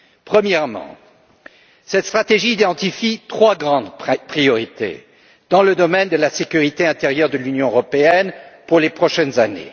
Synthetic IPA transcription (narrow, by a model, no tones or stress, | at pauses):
pχəmjɛʁmɑ̰̃ | sɛt̪st̪χat̪eʒiːd̪ɑ̃t̪ifit̪χwaɡʁɑ̃d̪pχijɔʁit̪ḛ | d̪̥ɑ̃ləd̪ɔmɛnd̪əlasekʲyʁit̪eɛ̃t̪eʁjœʁd̪əlynjɔ̃øʁɔpeɛnpuʁlepχɔʃɛnzanḛ